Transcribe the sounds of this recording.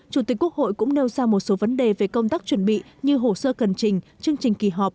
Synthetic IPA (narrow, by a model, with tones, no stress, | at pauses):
t͡ɕu˧˩t̪i˨˩kkːu˦˥ək̚ho̰˧˨jkʊ̰˧˥ŋ͡mne˧wzaː˧mo˨˩t̚so˨˦və˨˦nɗe˨˩ve˨˩kə˧wŋ͡mt̪aː˦˥k̚t͡ɕwə˧˩nɓḭ˧˨ | ɲɨ˧ɦo˧˩səː˧kə˨˩nt͡ɕï˨˩ŋ̟ | t͡ɕɨ˧əŋt͡ɕï˨˩ŋ̟ki˧˩ɦɔ˨˩p̚